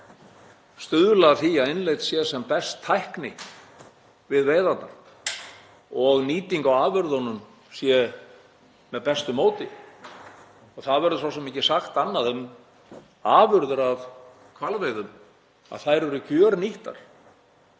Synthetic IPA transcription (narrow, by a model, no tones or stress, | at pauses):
st̪ʏðʏlaθiaðɪnlejt̪sjɛsɛmpɛst̪ʰːajhknɪ | vɪðvejðant̪na̰ɾ̥ | ɔɣniːt̪iŋkawaːvʏɾðɔnːʏm | sjɛ | mɛðpɛst̪ʏmoːwt̪ɪ | ɔɣθaðvɛɾðʏs̬aws̬ɛmɛhcːɪsaxt̪anːaðʏm | aːvʏɾðʏɾað | kʰvalvejðʏm | a̰ðθajɾɛɾʏcœːɾniht̪a̰ɾ̥